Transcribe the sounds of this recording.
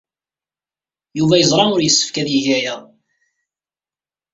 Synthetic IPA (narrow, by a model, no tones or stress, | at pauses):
juvæjəzˤɾˤɑʊɾjəsːə̥fkæðjiʝæjæ